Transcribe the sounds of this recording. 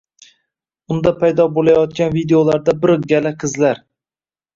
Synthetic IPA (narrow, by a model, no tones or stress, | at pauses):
ʊnd̪apʰajd̪ɒbolˠajɒt̪̚kʲanvid̪eolaɾd̪abɪɾɡʲalaqʰɨzlaɾ